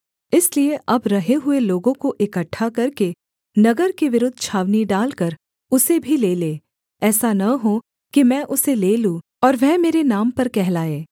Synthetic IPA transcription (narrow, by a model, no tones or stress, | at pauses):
ɪslieʔɐbɾɐɦeɦʊeloːɡõkoʔɪkəʈʰːakɐɾke | nɐɡəɾkeʋɪɾʊd̪ʱːt͡ʃʰaːʋniɖaːlkɐɾ | ʊsebʱileːleː | ɛːsanɐɦũ | kimɛ̃ːʔʊseleːlũ | ɔːɾʋɛɦmeːɾenaːmpɐɾkɛɦlaːeː